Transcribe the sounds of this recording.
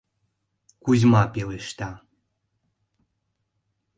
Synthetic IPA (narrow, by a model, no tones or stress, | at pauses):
kuzmapeleʃt̪a